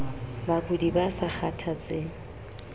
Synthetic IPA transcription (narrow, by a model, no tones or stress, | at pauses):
bakʼʊdibasak͡xʰatʰat͡sʼeːŋ̩